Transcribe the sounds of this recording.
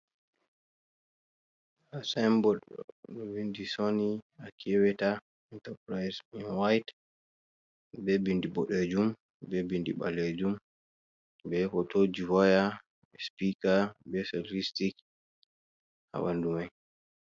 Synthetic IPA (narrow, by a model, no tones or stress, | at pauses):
asambɔɗɔ̰ɗɔbindisoniakʰɛwɛta | ɛntapɾajsinwajt | bɛbindiɓɔɗed͡ʒum | bɛbindiɓa̰led͡ʒum | bɛhɔtod͡ʒiwɔja | bɛspikabɛsotistik | ha̰ɓandumaj